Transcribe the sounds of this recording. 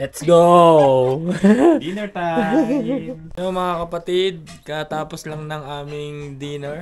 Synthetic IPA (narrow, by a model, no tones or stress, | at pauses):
lɛt̪sɡo | d̪inɛt̪a | jomɐŋakɐpɐt̪id̪̚ | kɐt̪aːposlɐŋnɐŋaːmɪŋd̪iːnɛɹ